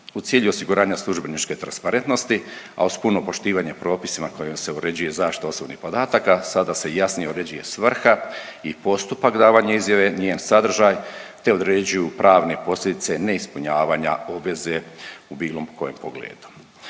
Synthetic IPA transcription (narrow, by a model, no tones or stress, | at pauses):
ut̪sjiːʎuosiɡuɾaːɲaslˠuʒbe̞nit͡ʃke̞t̪ɾa̰nspaɾe̞nt̪no̞st̪i | a̰uspunopo̞ʃt̪iːʋaɲepɾo̞ːpisimako̞jemseoɾe̞d͡ʑuje̞zaːʃt̪i̥t̪aosobnḭhpo̞d̪aːt̪akasad̪ase̞jasnijeoɾe̞d͡ʑuje̞sʋr̩xaipo̞st̪upakd̪aːʋaɲaizjaʋe̞ɲeːnsad̪r̩ʒaːjt̪e̞o̞d̪ɾed͡ʑujupɾʔaːʋne̞po̞slʲjʲe̞d̪it̪se̞ne̞ispuɲaːʋaːɲa̰o̞bʋe̞zeubiːlˠo̞mkʰoje̞mpoɡlḛːd̪u̥